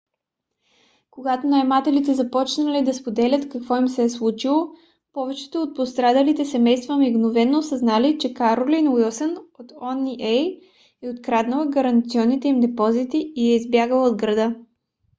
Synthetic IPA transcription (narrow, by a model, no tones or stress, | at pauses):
koɡat̪onajmat̪ɛlit̪ɛzɐpɔt͡ʃnəlid̪ɐspod̪ɛlʲət̪kɐkvɔimsɛɛslˠut͡ʃilˠo | pɔvɛt͡ʃɛ̥t̪oot̪̚post̪ɾad̪alit̪ɛsɛmɛjst̪vəmiɡnovɛnːosəznalit͡ʃɛkaɾolinwilˠsənot̪ɔnːiʔɛj | ɛot̪kɾad̪nəlˠəɡɐɾɐnt̪siɔnːit̪ɛimd̪ɛpɔzit̪iiɛizbjaɡəlˠod̪ɡɾɐd̪ɤ